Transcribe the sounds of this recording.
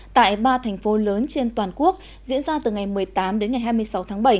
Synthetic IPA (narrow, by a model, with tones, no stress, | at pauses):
t̪a̰ː˧˨jɓaː˧t̪ʰɛ˨˩jŋ̟fo˨˦ləː˨˦nt͡ɕe˧nt̪waː˨˩nku˦˥ək̚ | zḭ˧˥ənzaː˧t̪ɨ˨˩ŋa˨˩jmɨ˨˩əjt̪aː˨˦mɗe˨˦nŋa˨˩jɦaː˧jmɨ˧əjsa˨˦wt̪ʰaː˨˦ŋɓə˧˩j